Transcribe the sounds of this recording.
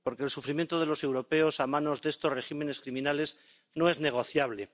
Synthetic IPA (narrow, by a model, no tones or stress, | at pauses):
poɾke̞ːlsufɾimje̞nt̪oðe̞lo̞se̞wɾo̞pe̞osamãno̞zðeest̪o̞zre̞ximẽ̞ne̞skɾimĩnale̞z | no̞e̞zne̞ɣ̞o̞θjaβle̞